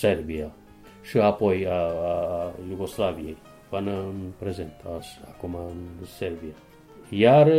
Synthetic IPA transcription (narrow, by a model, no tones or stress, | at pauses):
serbia | ʃiapo̞jaː | juɡo̞slavijej | panəɨnpɾezent̪asakumaɨnserbia | jaɾ